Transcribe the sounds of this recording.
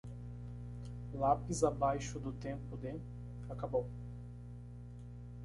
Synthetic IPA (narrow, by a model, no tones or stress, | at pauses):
lapɪzabajʃʊd̪ʊt̪ẽmpʊd̪e | akabow